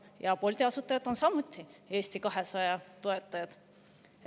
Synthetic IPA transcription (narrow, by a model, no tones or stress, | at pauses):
jɑpo̞lʲt̪iɑsut̪ːˑɑjɑd̪o̞nsɑmut̪ʲːˑie̞ːsʲt̪ikɑɦe̞sɑjɑt̪oe̞t̪ːˑɑjɑd̪̥